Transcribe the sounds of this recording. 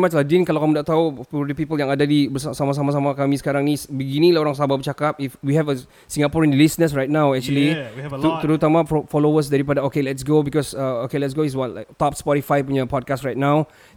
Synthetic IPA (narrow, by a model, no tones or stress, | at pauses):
mat͡ʃladĩnkalawkamudaʔ̚t̪aopudəpipəljãŋadadibəsasamas̬amas̬amakamĩsə̥kaɾãŋnisbəɡinĩlaoɾãŋsababət͡ʃakap̚ifwihɛvə | sĩŋɡapɔɹĩndəlisnəsɹajt̚nawɛk̚t͡ʃuəlitt̪əɾut̪amaffɔlowəs̬dɛɾipadaokelɛtsɡobikɔsəokelɛts̬ɡoiswɔtlakt̪ɔpspɔɾifajpuɲapɔd̚kastɹajt̚naw